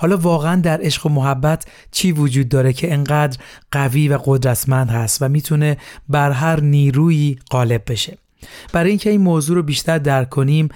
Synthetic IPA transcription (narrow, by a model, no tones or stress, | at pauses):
hɒːlɒːvɒːɣeænd̪æɾʔe̞ʃɢomoɦæbːæt̪ʰ | t͡ʃʰiːvod͡ʒuːd̪̚ːɒːɾecʰe̞eŋɢæːd̪ɾɢ̥æviːvæɡo̞d̪ɾæt̪ʰmænd̪hæst̪væmiːt̪ʰune̞bæɾɦæɾniːɾuːiːɢ̥ɒːle̞b̚ːe̞ʃe̞ | b̥æɾɒːjiːŋcʰe̞iːnmoːzuːɾobiːʃt̪ʰæɾd̪æɾkʰːoniːm